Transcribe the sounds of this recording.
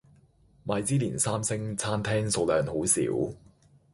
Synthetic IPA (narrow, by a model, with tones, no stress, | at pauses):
maː˨˧jt͡siː˥liː˨˩nsaː˥msɪ˥ŋt͡sʰaː˥nt̪ʰɛː˥ŋso˨˧wlœː˨˧nho˨˥wsḭː˨˥w